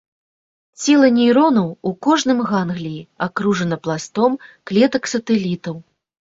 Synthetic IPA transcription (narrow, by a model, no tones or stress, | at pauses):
t͡sʲɛlˠɐnʲijɾɔnɐwukɔʐnɨmɣanɣlʲijiakɾuʐɐnɐplˠast̪ɔmklʲɛt̪ɐksɐt̪ɛlʲit̪ɐw